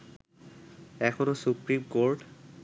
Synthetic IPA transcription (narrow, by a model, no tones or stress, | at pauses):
ɛkʰonosupɹimkoɹʈ